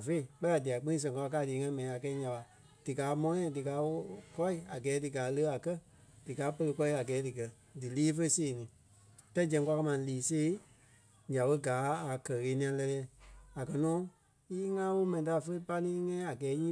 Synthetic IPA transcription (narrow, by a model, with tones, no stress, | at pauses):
fe˦i˨k͡pɛ˦a˨di˨a˨k͡pĩ˦ĩ˧s̬ɛ̃˨ŋka˧a˧kaː˧˦˨diː˨˦ŋã˧ĩ˦mɛ̃˨nĩ˨a˨kɛ˧˦ɲã˨ɓa˨ | d̥ɨ˨ɡaː˨˦mɔ̃˦ɲã˧˨dɨ˨ɡaː˨˦wo˧˦kɔ˦i˦˨a˨ɡɛː˨˦dɨ˨ɡaː˨˦lə˦˧˦a˨kɜ˦ | d̥ɨ˨ɡaː˨˦pə˧lə˧kɔ˧i˧˦a˨ɡɛː˨˦dɨ˨ɡɜ˨ | dɨ˨liː˦fə˦seː˨nĩ˨˦ | ta˦d͡ʒɛ̃˧ŋkʷa˧ka˧mã˧˨˧liː˨se˦ | ɲã˨ɓə˦ɡaː˨˦a˨kɜ˨ɣeː˨˦nĩ˧˦ã˧lɛ˧lɛː˧˦a˨kɜ˨nɔ̃ː˦ | i˦ŋãː˦wo˦mɛ̃˨nĩ˨ta˨fə˧˦i˦pa˧˦nĩː˦ŋɛ̃˦a˨ɡɛː˨˦ɲĩː˦